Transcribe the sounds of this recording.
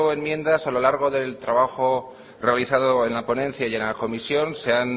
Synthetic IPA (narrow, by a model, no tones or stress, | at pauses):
oe̞mmjẽ̞nd̪asalo̞laɾɣ̞o̞ðe̞lt̪ɾaβaxo̞ | realiθaðo̞enlapo̞nẽ̞nθjaje̞nlako̞misjo̞nse̞an